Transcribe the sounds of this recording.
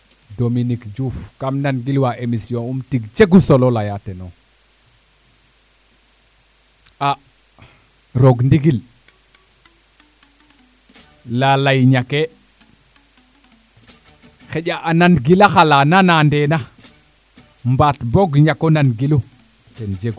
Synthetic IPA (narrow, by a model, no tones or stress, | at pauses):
dominikd͡ʒufkamnanɡilwaʔemisiõumtiɡt͡ʃeɡusololajateno | a | ɾoɡndiɡil | lalajɲake | xeɟaʔananɡilaxalananandena | mbatboɡɲakonanɡilu | tend͡ʒeɡu